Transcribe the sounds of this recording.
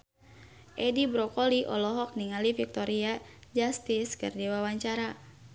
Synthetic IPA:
ʔɛdibɾɔkɔliʔɔ̰lɔɦɔk̚niŋalifik̚t̪ɔɾiad͡ʒast̪iskɨ̰rdiwawaɲt͡ʃaɾa

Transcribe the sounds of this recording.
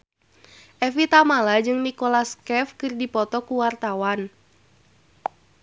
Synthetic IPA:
ʔɛfit̪amalad͡ʒɨŋnikolaskɛfkɨrdipɔt̪ɔkuwart̪awan

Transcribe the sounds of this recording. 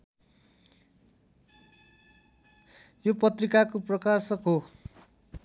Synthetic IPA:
jopʌt̪rikakoprʌkasʌkɦo

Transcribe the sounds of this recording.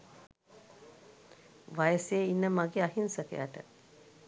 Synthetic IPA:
ʋajəseinːəmaɡeaɦinsəkḛja̰ʈə̰

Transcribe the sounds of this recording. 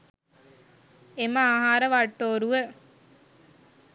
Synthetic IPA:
eməaːɦaːɾəʋaʈːoːɾuʋə

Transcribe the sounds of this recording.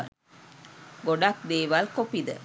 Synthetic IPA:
ɡoɖak̚d̪eːʋalkopid̪ə̰

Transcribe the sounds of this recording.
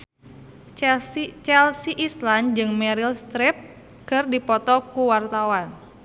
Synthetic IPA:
t͡ʃɛlsiʔisland͡ʒɨŋmɛɾilst̪ɾɪp̚ | kɨrdipɔt̪ɔkuwart̪awan

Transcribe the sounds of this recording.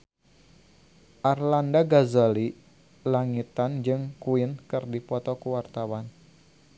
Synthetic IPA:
ʔarlandaɡazali | laŋit̪and͡ʒɨŋkuinkɨrdipɔt̪ɔkuwart̪awan

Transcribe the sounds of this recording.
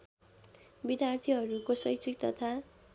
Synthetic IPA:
bid̪jart̪ʰiʌɾukosʌjkt͡sikt̪ʌt̪ʰa

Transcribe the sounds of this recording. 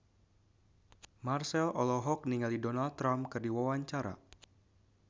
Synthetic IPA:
marsɛlɔlɔɦɔk̚niŋalidɔnaldt̪ːɾamkɨrdiwawaɲt͡ʃaɾa̰

